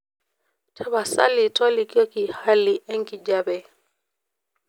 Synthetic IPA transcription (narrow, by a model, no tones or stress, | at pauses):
tʰaβasa̰litɔlikiɔkihaliʔɛŋkid͡ʒabɛ